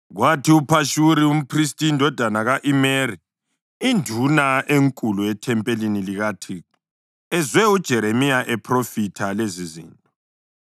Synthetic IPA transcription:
ɣwatʰiupʰaʃuɾium̩pʰristʼindʱɔd̥ʱanaɣaʔimeri | indʱunaʔeŋkʼuluɛtʰɛmpʼeliniliɣatʰi | ɛzwɛud̥ʒ̥ʱɛɾemiaʔɛpʰrofitʰalezizḭːntʼɔ

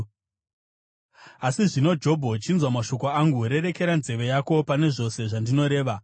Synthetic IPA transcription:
asiʐino̞d͡ʒo̞bʱo̞t͡ʃinzwamaʃo̞ko̞aŋɡuɾe̞ɾe̞ke̞ɾanze̞ʋe̞jako̞pane̞ʐo̞se̞ʐandino̞ɾe̞ːʋa

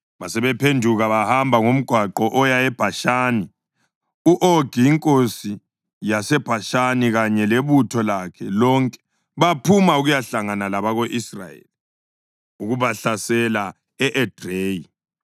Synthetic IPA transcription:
βasɛβɛpʰendʱuɣaβahambʱaŋom̩ɡ̥ʱwaǃɔʔɔjajɛb̥ʱaʃaːni | uʔoɡ̥ʱiːŋkʼosi | jasɛb̥ʱaʃaniɣaɲɛleβutʰɔlakʰɛlɔŋkʼɛ̥ | βapʰumauɣujaɬaŋanalaβaɣoʔisra̰jḛli | uɣuβaɬasɛla | ɛʔɛd̥ʱreːji

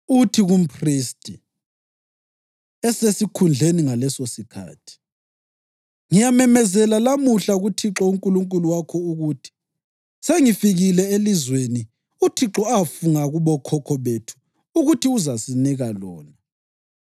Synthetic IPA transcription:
utʰiɣum̩pʰriːstʰʼi | ɛsesikʰund͡ɮʱeniŋalɛsosikʰa̰ːtʰi̥ | ŋijamɛmɛzɛlalamuɬaɣutʰiǁɔuŋkʼuluŋkʼuluwakʰɔuɣutʰi̥ | seŋifiɣilɛelizweni | utʰiǁɔafuŋaɣuβɔkʰɔkʰɔβetʰu̥ː | ɣutʰiuzasiniɣalɔ̰ːna

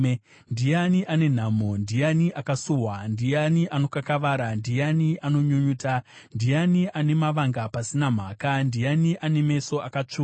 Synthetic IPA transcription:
ndijaniʔane̞n̤amondijaniʔakasuɦwandijaniʔano̞kakaʋaːɾandijaniʔano̞ɲuɲuːta | ndijaniʔane̞maʋaŋɡapasinam̤aːkandijaniʔane̞me̞so̞akat͡ʂuː

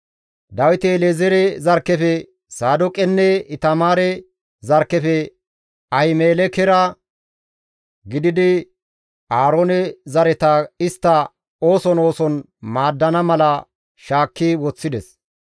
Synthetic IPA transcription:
d̪ɐwɪt̪ɛleːzɛɾɛzɐɾkːɛfɛ | saːd̪ʊkʼɛnːɛɪt̪ɐmaːɾɛ | zɐɾkːɛfɛ | ɐhɪmeːlɛkɛɾɐ | ɡɪd̪ɪd̪ɪ | aːɾoːnɛzɐɾɛt̪ɐɪst̪ːɐ | o̞ːsɔno̞ːsɔn | maːd̪ːɐnɐmɐlɐ | ʃaːkːɪwɔt͡sːɪd̪ɛs

